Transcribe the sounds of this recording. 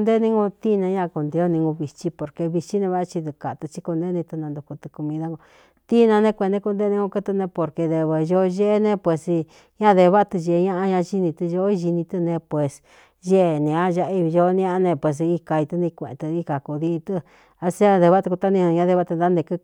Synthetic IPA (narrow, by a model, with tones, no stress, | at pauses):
d̪e˦nĩ˦ŋɡũ˧t̪i˦nã˧˦ɲã˦ʔku˧nd̪e˧o˦nĩ˧ŋɡũ˧βi˧t͡ʃi˦po˨ɾke˧βi˧t͡ʃi˦nẽ˧βa˦ʔt͡ʃi˧d̪u˧ka˨t̪ɨ˧t͡ʃi˧ku˧nd̪e˦nĩ˧t̪u˧nã˧nd̪u˧ku˧t̪ɨ̥˧ku˧mĩ˧ða˧˦ŋɡo˧ | t̪i˦nã˧nẽ˦˧kʷe˧nd̪e˦ku˧nd̪e˦˧ĩ˧ŋɡũ˧ku˦t̪ɨ˧nẽ˧po˧ɾke˧ðe˧βe˧ʒo˦˧ʒe˦ʔe˦nẽ˧˦pwe˧˨si˧ | ɲã˦ðe˧βa˦a˧t̪ɨ˧ʒe˧˨˧ɲã˦ʔa˧ɲã˧ʒi˦nĩ˧t̪u˧ʒo˧˦i˧ʒi˧nĩ˧t̪ɨ˧nẽ˧pwe˨˧s | ʒe˦e˧˨nẽ˨ã˦ʒa˧ʔi˧βi˧ʒo˧nĩ˦a˦a˧nẽ˧pwe˨s̬i˧ka˧i˧t̪u˧nĩ˧kʷẽ˧˨ḛ̃˧t̪ɨ˧i˧ka˨ku˧ði˦˧t̪ɨ˦˧ | a˧si˦a˦ðe˧βa˦t̪u˧ku˧t̪a˦nĩ˧ñ˧ɲã˦ðe˧βa˦t̪ɨ˧nd̪a˦nd̪e˧kɨ˦˧